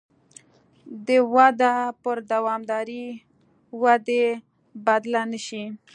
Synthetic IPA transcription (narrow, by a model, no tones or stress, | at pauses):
d̪əwad̪apəɾd̪awɑmd̪ɑɾi | wad̪e | bad̪lanəʃi